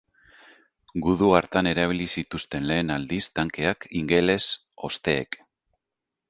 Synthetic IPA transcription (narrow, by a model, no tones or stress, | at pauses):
ɡuðuaɾt̪ane̞ɾaβ̞ilisit̪ust̪e̞nle̞ːnald̪ist̪aŋke̞akiŋɡe̞le̞s | o̞st̪e̞̰ːk